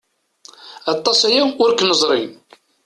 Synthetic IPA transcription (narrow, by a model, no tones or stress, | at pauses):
ɑt̪ˤːɑsæjawʊɾkːnəzˤɾˤin